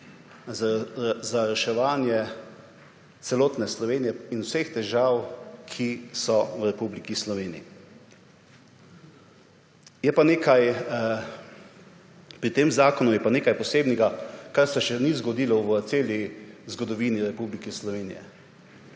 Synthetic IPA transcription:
zaɾɛʃɛʋaːnjɛ | t̪sɛloːt̪nɛslɔʋeːnijɛinusext̪ɛʒaːwkʰisɔwɾɛpublikislɔʋeːnḭi | jɛpaneːkaj | pɾit̪eːmzaːkɔnujɛpaneːkajpɔseːbnɛɡakaɾsɛʃɛnizɡɔd̪iːlɔʋt̪seːlizɡɔd̪ɔʋiːniɾɛpublikɛslɔʋeːnḭjɛ̰

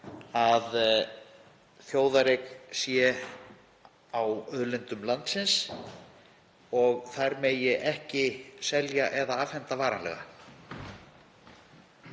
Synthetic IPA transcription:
að | θjoːwðaɾeksjɛ | awœðlɪnt̪ʏmlant̪sɪns | ɔɣθajɾmejɛʔɛhcɪsɛljaʔɛðaaːvhɛnt̪avaːɾanlɛ̰ɣa̰

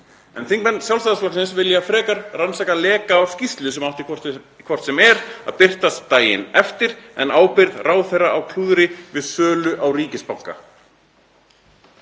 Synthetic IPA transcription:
ɛ̰nθiŋkmɛnːsjawlsaðasflaksɪns̬vɪljafɾɛːkaɾransak̪alɛːkaːwscist̪lʏsɛmawt̪ɪkʰɔ | kʰvɔr̥t̪sɛmɛɾa̰ðpɪr̥t̪ast̪aːjɪ̰nɛft̪ɪɾɛnaːwpɪɾðraːwθejraawkʰluːðɾɪvɪðsœːlʏʔawriːcɪspawŋka̰

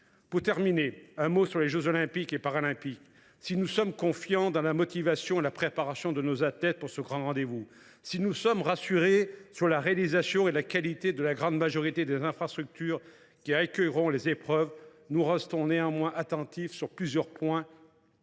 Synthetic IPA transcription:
puʁt̪ɛʁmineɛ̃mosyʁleʒøzɔlɛ̃pikepaʁalɛ̃pik | sinusɔmkɔ̃fjɑ̃d̪ɑ̃lamɔt̪ivasjɔ̃elapχepaʁasjɔ̃d̪ənozat̪lɛt̪̚puʁsəɡʁɑ̃ʁɑ̃d̪evu | sinusɔmʁasyʁesyʁlaʁealizasjɔ̃elakalit̪ed̪əlaɡʁɑ̃d̪maʒɔʁit̪ed̪ezɛ̃fχast̪χyk̚t̪yːʁ | kʲiakʲœjʁɔ̃lezepχœv | nuʁɛst̪ɔ̃neɑ̃mwɛ̃ʔat̪ɑ̃t̪ifsyʁplyzjœʁpwɛ̃

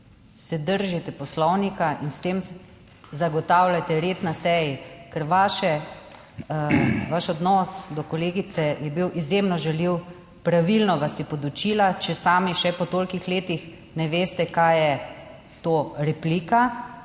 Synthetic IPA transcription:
sɛd̪əɾʒit̪ɛpɔslɔwnikainst̪eːm | zaɡɔt̪aːwlʲat̪ɛɾeːt̪nasɛjikɛɾʋaːʃɛ | ʋaʃɔd̪nɔsd̪ɔkɔleːɡit̪sɛjɛbiwʔizjemnɔʒɛliw | pɾaʋilnɔʋasipɔd̪ut͡ʃilat͡ʃɛsaːmiʃɛpɔt̪olkixleːt̪ix | nɛʋeːst̪ɛkajɛ | t̪oːɾɛplika

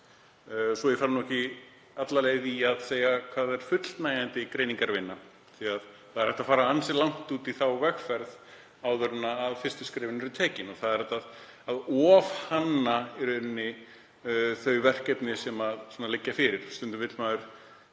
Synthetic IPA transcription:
sɔjɛfaɾnɔɛhcɪ | at̪laleːjðiaðseːjakʰv̥aːðɛɾ̥fʏt̪l̥t̪naːjant̪ɪikɾeːjniŋkaɾvɪnːa | θiað | θaðɛɾhɛht̪afaːɾaansɛlawŋ̥t̪uːt̪iθawvɛxfɛɾð | awðœɾnaːðfɪr̥st̪ʏ̥skɾɪːvɪnɛɾʏt̪ʰɛːcɪnɔθaðɛɾɛht̪að | aðɔːvhanːaɛɾœɾnːɪ | θœɥjvɛr̥cɛt̪nɪsɛmaðsɔːnalɪcːafɪɾɪɾ̥st̪ʏnt̪ʏmvɪt̪maːðʏɾ̥

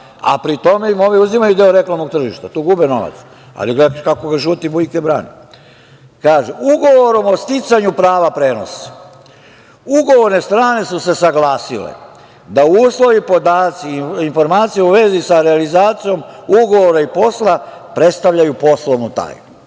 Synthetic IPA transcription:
a̰pɾit̪o̞meimoʋiuzimajud̪e̞oɾe̞klˠamnoɡ̚t̪r̩ʒiʃt̪at̪oɡubeno̞̰ʋa̰t̪s | a̰liɡekakoɡaʒuːt̪ibuikebɾa̰ːni | kaːʒeuɡo̞ʋo̞ɾo̞mo̞st̪it̪saɲupɾaːʋapɾeːno̞̰sḁ | uɡo̞ʋo̞ɾne̞st̪ɾaːne̞suse̞saɡlaːsilḛ | d̪auːslo̞ʋipo̞d̪aːt̪siinfo̞ɾmaːt̪sijeuʋe̞zisaɾealizaːt̪sijo̞muɡo̞ʋoɾaipo̞slˠa | pɾe̞t̪st̪aʋʎajupo̞slˠo̞ʋnut̪a̰ːjnu

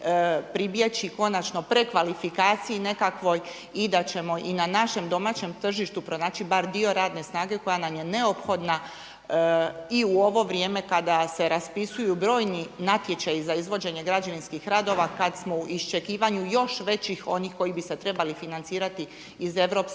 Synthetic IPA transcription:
pɾibjet͡ɕiko̞nat͡ʃno̞pɾe̞kʋalifikaːt̪sijine̞kakʋo̞j | id̪at͡ɕe̞mo̞ʔinanaʃe̞md̪o̞maːt͡ɕe̞mt̪r̩ʒiʃt̪upɾo̞naːt͡ʃibaɾd̪io̞ɾaːd̪ne̞snaːɡe̞ko̞janamje̞ne̞opxo̞d̪na | iuo̞ʋo̞ʋɾije̞ːme̞kad̪ase̞ɾaspisujubɾo̞ːjninat̪je̞t͡ɕajizaizʋo̞d͡ʑe̞ɲe̞ɡɾad͡ʒaʋinskixɾaːd̪o̞ʋakad̪smo̞uʔist͡ʃe̞kiːʋaɲujo̞ʃʋe̞t͡ɕixo̞niːxko̞jibise̞t̪ɾe̞balifinant̪siːɾat̪iː | ze̞ʋɾo̞ps

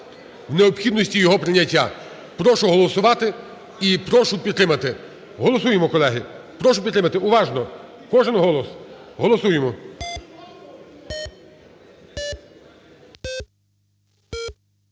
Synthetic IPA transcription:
wneɔpxʲid̪nɔsʲtʲijɔɦɔpɾɪnʲɐtʲːa̰ | pɾɔʃʊɦɔlˠɔsʊʋɑt̪ɪ | ipɾɔʃʊpʲid̪t̪ːɾɪmɐt̪ɪ | ɦɔlˠɔsujemɔkɔlˠɛɦɪpɾɔʃʊpʲit̪ɾɪmɐt̪ɪʊʋɑʒnɔkɔʒɪnɦɔlˠɔsɦɔlˠɔsujemɔ

